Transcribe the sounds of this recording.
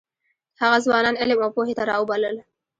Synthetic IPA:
haɣazwɑnɑnɪlɪmawpoɦet̪aɾɑubaləl

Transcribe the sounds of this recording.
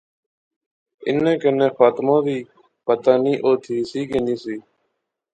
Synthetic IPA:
ɪ̰nẽːkənẽːfaːt̪mãːd̪iː | pət̪aːniːʔoːt̪ʰiːsiːkẽːnĩːsiː

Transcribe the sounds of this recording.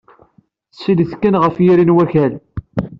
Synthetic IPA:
sːiliθkːənʁəfjiɾinwæçæl

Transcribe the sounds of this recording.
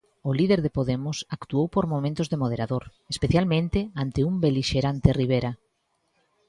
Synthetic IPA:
oliðeɾðepoðemʊsakt̪uowpoɾmomẽnt̪ozðemoð̞eɾaðoɾ | espeθjalmẽnt̪eant̪eumbeliʃeɾant̪eriβ̞eɾa

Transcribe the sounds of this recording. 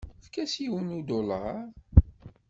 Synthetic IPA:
θkæsiwənud̪olə

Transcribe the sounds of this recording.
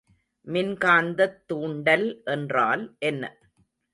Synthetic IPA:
mɪnkaːnd̪ɐt̪ːuːɳɖɐlʔɛndra̰ːlʔɛnːɐ̰

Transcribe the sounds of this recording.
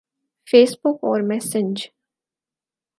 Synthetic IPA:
feːsbʊkɔːɾmɛːsɪ̃ɲd͡ʒ

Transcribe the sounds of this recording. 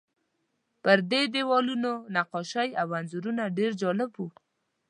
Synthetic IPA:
pəɾd̪ed̪ewɔlunonaqɔʃajawanzuɾunaɖeɾd͡ʒɔlɪbwu

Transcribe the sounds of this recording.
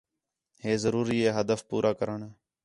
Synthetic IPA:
ɦeːzəɾuːɾiːeːɦəd̪əfpuːɾʔaːkəɾəɳː

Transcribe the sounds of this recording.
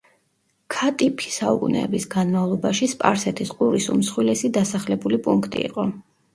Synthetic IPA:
kʰat̪ʼipʰi̥saṵkʼunɛ̰ːbisɡanmavlˠɔbaʃispʼa̰ɾsɛt̪ʰisqʼuɾisṵmsχwilɛsid̪asaχlɛbulipʼuŋkʰt̪ʼḭːqʼɔ

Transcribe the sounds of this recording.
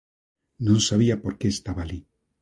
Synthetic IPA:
nõnsaβiapo̞ɾkeːst̪aβaːli

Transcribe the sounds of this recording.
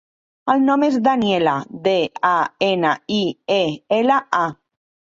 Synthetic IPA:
əlnɔmezðanielaðeaenaieelaa

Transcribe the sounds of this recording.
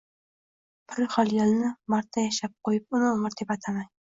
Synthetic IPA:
pʰɪɾɪχɒlˠjalnɪmaɾt̪ʰːajaʃap̚qojɪp̚ʊnɪoɴɨɾd̪ʰepat̪ʰamaj

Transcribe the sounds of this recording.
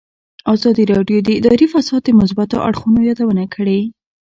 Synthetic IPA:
ɑzɑd̪iɾɑɖjod̪əɪd̪ɑɾifasɑd̪̚d̪əmʊs̬bat̪o̰ʔa̰ɽxunojɑd̪awənakʰəɽe

